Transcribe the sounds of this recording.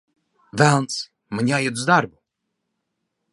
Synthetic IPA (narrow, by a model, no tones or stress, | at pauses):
vɛns | mɲʲajɛt̪zd̪aɾbu